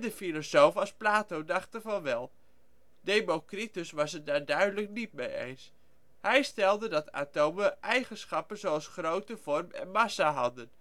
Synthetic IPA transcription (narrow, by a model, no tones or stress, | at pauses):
dəfilosowfɑlˠsplaːtowdɑχtəvɑnʋɛlˠ | dejmokritəsʋɑsədaːɹdœɥdələk̚nit̚mejḛjns | hɛjstɛlˠdədɑta̰ːtowməʔɛjχənsχɑpənzowɑlˠsχrowtəv̥ɔrmɛ̰nmɑsaɦɑdən